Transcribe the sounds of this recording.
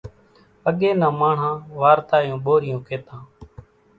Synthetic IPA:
əɠeːnãːmaːɳ̤ãːʋaːɾt̪aːjũːɓoːɾɪjõːkeːt̪ãː

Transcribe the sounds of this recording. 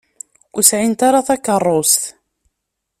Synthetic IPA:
ʊsʕint̪aɾaθɑkːərˤːost̪

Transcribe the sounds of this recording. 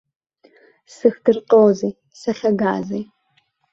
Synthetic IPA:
sɨxdɨrqowzij | sɐχʲɐɡaːzij

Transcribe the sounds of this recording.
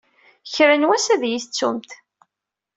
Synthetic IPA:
çɾənwæsæðjiθt͡sːṵmt̪

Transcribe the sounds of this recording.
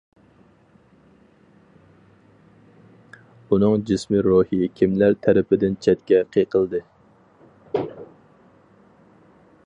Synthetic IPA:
unɨŋd͡ʒɪsmiɾohikʲʰimlæɾt̪ʰæɾɪpʰɪd̪ɪnt͡ʃʰɛt̪kʲɛqʰeqʰəlˠd̪ɨ

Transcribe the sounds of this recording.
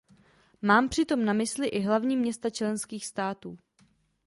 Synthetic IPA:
maːmpr̝̥ɪt̪o̞mnamɪslɪʔɪɦlavɲiːmɲɛst̪at͡ʃlɛnskiːxst̪aːt̪uː

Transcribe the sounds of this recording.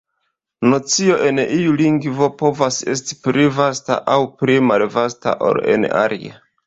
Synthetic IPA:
not͡sio̞ʔe̞niuliŋɡvo̞po̞vase̞sti̥pɾivasta̰ʔawpɾimalvasta̰ʔo̞̰lḛna̰ɾḭa̰

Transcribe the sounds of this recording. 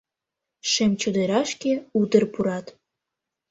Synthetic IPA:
ʃemt͡ɕod̪eɾɑʃkeud̪ə̆rpuɾɑt̪

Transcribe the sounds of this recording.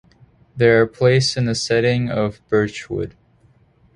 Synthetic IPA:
ðə˞ːpʰl̥eɪsɨ̃nðɨsɛɾɪ̃ŋʌvb̥ɜ˞t͡ʃwʊ̰d̥

